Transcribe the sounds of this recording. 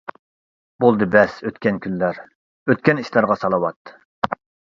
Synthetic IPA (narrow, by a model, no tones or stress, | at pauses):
bolˠd̪ɨbɛsøt̪kʲɛnkʲʰynlæɾ | øt̪̚kʲɛniʃlɑɾʁɑsɑlˠɑwɑt̪ː